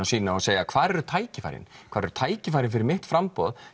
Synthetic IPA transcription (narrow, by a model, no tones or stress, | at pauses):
asiːnaɔseːjakʰv̥aːɾɛɾʏt̪ʰaːjcɪfa̰jɾɪ̰nkʰaːɾɛɾʏ̥t̪ʰaːjcɪfajɾɪnfɪɾɪɾmɪht̪fɾampɔ̰ð